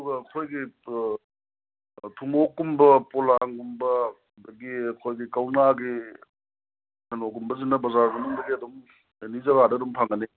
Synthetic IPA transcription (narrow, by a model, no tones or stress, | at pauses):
uɡɐːkʰojɡi | tʰuŋokːumbɐpolaŋɡumbɐ | dɐɡiɐkʰojɡikɐwnaɡi | hʰɐnoɡumbɐzinːɐbɐzaɾɡɐnɐŋdɐɡiɐdum | enizɐɡadɐːdumpʰaŋɡni